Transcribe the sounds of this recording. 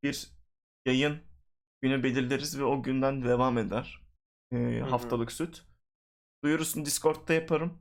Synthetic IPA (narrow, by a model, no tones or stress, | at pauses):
b̥iɾ | jajɯn | ɟ̥ynybe̞lʲiɾld̪ʲeɾizvɛo̞ɟynd̪ænd̪evaːme̞d̪æɾ̥ | ɯːɦaft̪ʰalˠɯksyt̪ʰ | d̪̥ujuɾusund̪iskʰo̞ɾt̪ːajapʰaɾɯm